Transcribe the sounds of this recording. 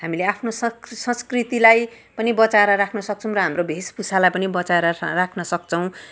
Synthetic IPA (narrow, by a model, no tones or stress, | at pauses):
hamileapʰnosʌsʌ̃skrit̪ilaj | pʌnibʌt͡saeɾʌɾakʰnʌsʌk̚t͡sʰʌw̃rʌɦamrobʱespusalajpʌnibʌt͡saeɾʌrakʰnʌsʌkt͡sʰʌw̃